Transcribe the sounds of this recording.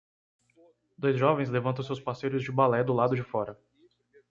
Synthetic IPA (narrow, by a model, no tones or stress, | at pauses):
d̪ojzʒɔvẽj̃zlevɐ̃nɐ̃w̃sewspasejɾʊzd͡ʒɪbalɛd̪ʊlad̪ʊd͡ʒɪfɔɾɐ